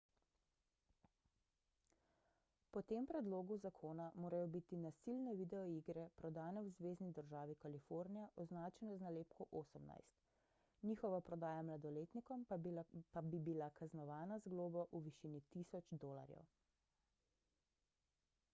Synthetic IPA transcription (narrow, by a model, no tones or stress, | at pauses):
pɔt̪eːmpɾɛd̪loːɡuzakʰoːnamoːɾajɔbit̪inasilnɛʋid̪ɛɔiɡɾɛpɾɔd̪aːnɛwzʋeːznid̪əɾʒaːʋikalifoːɾnijaʔɔznaːt͡ʃɛnɛznaleːp̚kɔʔoːsəmna̰jst̪ | niːxɔʋapɾɔd̪aːjamlad̪ɔleːt̪nikɔmpabibilakaznɔʋaːnazɡloːbɔʔuʋiʃiːnit̪isɔt͡ʃd̪oːla̰ɾjɛ̰w